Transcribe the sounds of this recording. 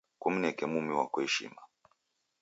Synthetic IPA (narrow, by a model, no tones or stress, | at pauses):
kuminɛkɛmumiwakɔhɛʃḭma